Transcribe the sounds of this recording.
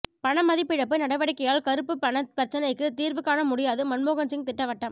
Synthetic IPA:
pɐɳɐmːɐðɪpːɪɻɐp̬ːɯnɐɽɐʋɐɽɪkːɐjaːlkɐɾɯpːɯpɐɳɐpɐɾt͡ʃːɐnɐɪkːɯt̪iːɾʋɯkːaːnɐmʊɽɪjaːðɯmɐnmoːɣɐnsɪŋt̪ɪʈːɐʋɐʈːɐm

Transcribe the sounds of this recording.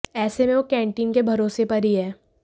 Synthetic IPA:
ɛːsemẽʋokɛ̃ːɳʈiːnkebʱɐɾoːsepɐɾiɦɛː

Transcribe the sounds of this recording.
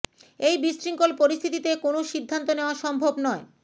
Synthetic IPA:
ejbisɾiŋkolpoɾist̪ʰit̪it̪ekonoʃid̪ʱːant̪oneoaʃɔmbʱobnɔe

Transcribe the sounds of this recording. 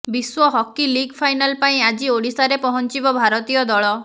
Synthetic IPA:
biswɔɦɔkiliɡpʰajnalpaĩad͡ʒioɽisaɾepɔɦɔnt͡ʃibɔbʱaɾɔt̪ijɔd̪ɔɭɔ

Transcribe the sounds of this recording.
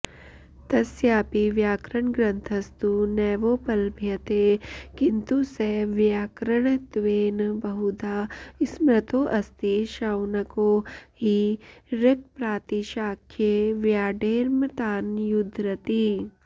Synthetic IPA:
t̪ɐsjaːpiʋjaːkɾəɳ̃ɡɾɐ̃nt̪ʰɐst̪unɛːʋoːpɐlbʱjɐt̪ekɪnt̪useʋjaːkɾəɳ̃t̪ʋeːnbɐɦud̪aːɪsmɾɐt̪oːʔɐst̪iʃawnɐkoːɦiɾɪk̚pɾaːt̪iʃaːkʰjeʋjaːɖeːɾmt̪aːnjʊd̪ʱɾɐt̪iː

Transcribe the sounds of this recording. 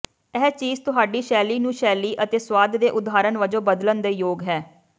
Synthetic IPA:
ɛːt͡ʃiːzt̪ʊɦaːɖiːʃɛːliːnũːʃɛːliːʔət̪eːswaːd̪d̪eːʔʊd̪aːɾənʋəd͡ʒõːbəd̪lənd̪eːjoːɡɦɛː

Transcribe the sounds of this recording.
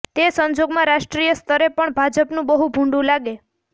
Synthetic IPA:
t̪esəɲd͡ʒoɡmãɾaʃʈɾijəst̪ʰəɾepəɳbʱad͡ʒəpnũbəɦubʱũɳɖũlaɡe

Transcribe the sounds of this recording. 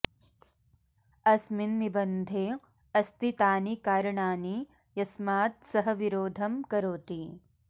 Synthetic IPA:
ɐsminːibɐnd̪ʱeː | ɐst̪it̪aːnikaːɾɐɳaːni | jɐsmaːt̪̚sɐɦɐʋiɾoːd̪ʱɐmkɐɾoːt̪i

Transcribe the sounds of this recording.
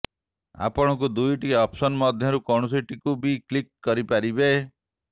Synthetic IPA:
a̰pɔɽ̃ɔk̬ud̪ujʈiɔpsɔnmɔd̪ʱjɔɾukɔɳ̃ɔs̬iʈikubʱiklikːɔɾipaɾibe

